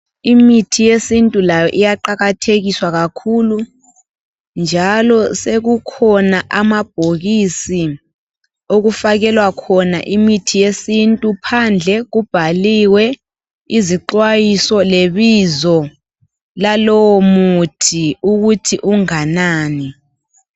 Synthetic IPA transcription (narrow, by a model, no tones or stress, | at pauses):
imitʰijesintʼulajɔʔijaǃaɣatʰeɣiswaɣakʰulu | nd͡ʒʱalɔseɣukʰɔnaʔamab̥ʱoɣisi | oɣufaɣɛlwakʰɔna̰ʔimitʰijesintʼupʰand͡ɮʱɛɣub̥ʱaliwɛ | iziǃwajisɔleβizɔ | lalɔwɔmutʰiuɣutʰiʔuŋanaːni